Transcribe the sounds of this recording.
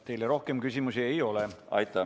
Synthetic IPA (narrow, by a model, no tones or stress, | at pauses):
t̪e̞jleɾo̞hke̞mkysʲimusie̞jo̞leɑ̰jt̪ːˑɑ